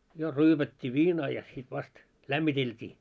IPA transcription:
jo ryːpætʲːiː ʋiːnɑː jɑ sit ʋɑst læmːiteltʲiː

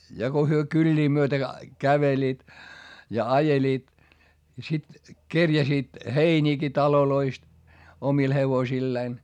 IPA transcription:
jɑ ko hyø kylʲːiː myøtæ kæʋeliːt jɑ ɑjeliːt jɑ sit kerjæsiːt heinʲiːki tɑloloist omil heʋosilːeːn

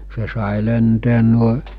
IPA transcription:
se sɑˑi lenteːn nuoe

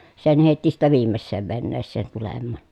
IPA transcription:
sen heˑitːi sitːæ ʋiːmːesːeːʋ ʋenːeːsːeːn tulemːɑˑn

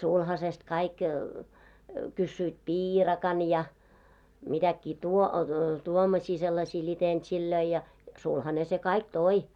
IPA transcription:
sulhɑsest kɑik kysːyit piːrɑkɑn jɑ mitækːiː tuo tuomɔsʲiː selːɑsʲiː lʲitentsilːøi jɑ sulhɑne se kɑik toi

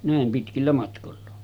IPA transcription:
næˑem pitkilːæ mɑtkolːɑ

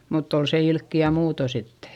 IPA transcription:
mutː on se ilkːiæ muːto sitːe̥

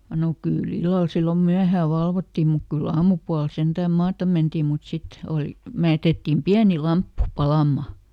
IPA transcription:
no kyˑl ilːɑl silːom myæhæː ʋɑlʋotːim muk kylː ɑːmupuɑl sentæːm mɑːtɑm̆ mentiːm mut sit oˑli me jætetːiːm piæni lɑmpːu pɑlɑˑmːɑ

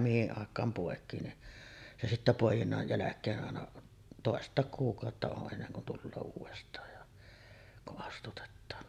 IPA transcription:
mihiʔ ʔɑˑekˑɑːm poˑekˑiː ni se sitːæ poˑejinːɑj jælækˑeːʔ ʔɑˑenɑ toˑestˑɑˑek kuːkˑɑˑotːɑ oʔ ʔenːeŋ kun tulːoː uːʋestˑɑːj jɑ kuʔ ʔɑstutetːɑːn

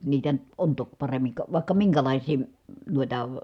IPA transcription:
niːtæ on tok pɑremːiŋ kɑ ʋɑˑi̯kːɑ miŋkælɑˑisiː m̩ nuitɑ

